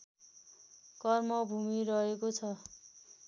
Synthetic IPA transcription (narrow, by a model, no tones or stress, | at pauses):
kʌrmʌbʱumiɾʌɦekot͡sʰʌ